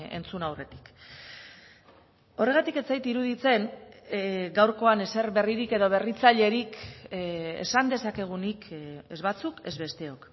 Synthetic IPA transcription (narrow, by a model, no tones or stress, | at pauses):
e̞̰nt͡sunawre̞t̪i̥k | o̞re̞ɣ̞at̪ike̞t͡sajt̪iɾuðit͡se̞n | ɡawɾko̞ane̞se̞ɾβe̞riɾike̞ðo̞β̞e̞rit͡saʎe̞ɾik | ḛsand̪e̞sake̞ɣ̞unike̞zβat͡suke̞zβe̞st̪e̞o̞k